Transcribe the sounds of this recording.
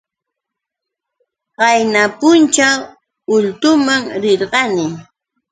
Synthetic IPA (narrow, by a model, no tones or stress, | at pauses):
ɢɑjnapʊnt͡ʃaw | ʊʎt̪ʊmaŋɾɪɾɢɑnɪ